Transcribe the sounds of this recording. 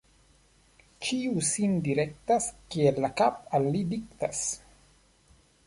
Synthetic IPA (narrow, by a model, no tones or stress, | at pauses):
t͡ʃiusind̪iɾek̚t̪askielːakapalːid̪ik̚t̪as